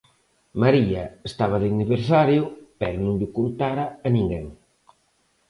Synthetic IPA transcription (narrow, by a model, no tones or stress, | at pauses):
maɾiɐest̪aβɐðeniβeɾsaɾjʊpɛɾʊnũŋʎʊkont̪aɾɐːnĩŋɡeŋ